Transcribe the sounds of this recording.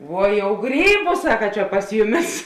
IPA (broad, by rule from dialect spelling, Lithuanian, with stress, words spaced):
ˈʋuɔ jɛʊ ˈɡrʲiːbʊ ˈsɑːkɐ t͡ʃʲɛ pɐs ˈjʊˌmʲɪs